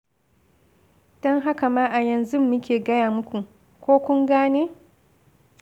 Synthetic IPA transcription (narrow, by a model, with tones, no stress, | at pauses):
d̥ɔ˦ŋɦa˦ka˨maː˦ʔa˨jɐ˨nzʊ˦mːʊ˦kʲeː˨ɡɐ˦jaː˨mʊ˦kʷu˨ | kʷoː˦kʷʊ˦ŋɡaː˦neː˦